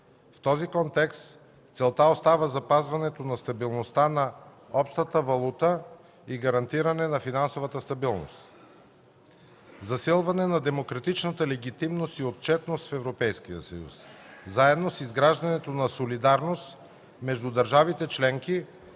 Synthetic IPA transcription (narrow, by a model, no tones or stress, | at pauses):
ft̪ɔzikɔnt̪ɛkst̪ | t̪sɛlˠt̪aost̪avəzɐpazvɐnɛt̪onɐst̪ɐbilˠnost̪anɐ | ɔpʃt̪ət̪əvɐlˠut̪ə | iɡɐɾɐnt̪iɾɐnɛnɐfinansovət̪əst̪ɐbilˠno̰st̪ | zɐsilˠvɐnɛnɐd̪ɛmokɾɐt̪it͡ʃnət̪əlɛɡ̟it̪imnost̪iot̪̚t͡ʃɛt̪nost̪fɛvɾopɛjskijə̰sɐjṵszaɛd̪nosizɡɾaʒd̪ɐnɛt̪onɐsolid̪aɾnost̪ | mɛʒd̪ud̪ɐɾʒavit̪ɛt͡ʃlɛŋki